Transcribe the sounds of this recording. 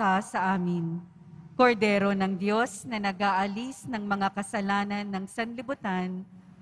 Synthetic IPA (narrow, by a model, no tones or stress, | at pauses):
asɐʔaːmɪn | koɾd̪ɛːɾo̞nɐŋd̪jo̞snɐnɐɡaːʔɐlisnɐŋmɐŋakɐsɐlaːnɐnːɐŋsɐnlɪbʊt̪an